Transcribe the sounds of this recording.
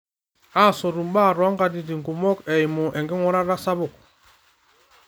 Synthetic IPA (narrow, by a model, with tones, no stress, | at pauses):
a˦˨sɔ˨ɾu˨mba˦˨ɾɔ˦ŋɡa˨di˨di˨ŋɡu˨mɔ˦kɛ˨i˨mu˨ʔɛ˨ŋɡi˦ŋɔ˦ɾa˦ɾa˦sa˦bʊ˨k̚